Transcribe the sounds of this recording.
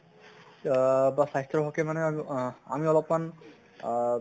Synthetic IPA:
basaɦist̪ɹɔɦɔkɛmanɛa̰miɔlɔpman

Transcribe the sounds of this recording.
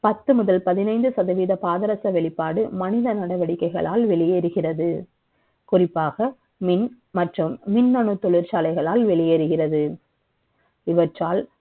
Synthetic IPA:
pɐt̪ːɯmʊðɐlpɐðɪnɐɪnd̪ɯsɐðɐʋiːðɐpaːðɐɾɐsɐʋɛɭɪpːaːɽɯmɐnɪðɐnɐɽɐʋɐɽɪkːɐɪɣɐ̰ɭaːlʋɛɭɪjeːɾɯɣɪrɐðɯ | kʊrɪpːaːɣɐ | mɪn | mɐʈrɯmːɪnːɐɳɯt̪ːɔɭɪɾt͡ʃaːlɐɪɣɐɭaːlʋɛɭɪjeːɾɯɣɪrɐðɯ | ɪʋɐʈraːl

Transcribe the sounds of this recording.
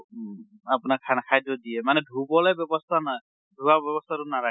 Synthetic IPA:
apʊnakʰanakʰajdɔdiɛmanɛdʱubɔlɛbjɔbɔst̪ʰana | dʱubabjɔbɔst̪ʰatʊnaɾa

